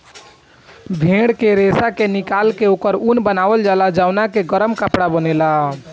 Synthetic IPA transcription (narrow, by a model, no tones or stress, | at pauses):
bʱẽɽkeɾesakenikalkeokəɾunbənaʋəld͡ʒalad͡ʒaʊnakeɡəɾəmkəpɽabənela